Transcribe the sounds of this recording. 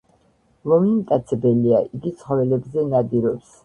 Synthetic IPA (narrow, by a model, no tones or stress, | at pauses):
lɔmimt̪ʼat̪sʰɛbɛliaʔiɡit̪sʰχɔvɛlɛbzɛnad̪iɾɔps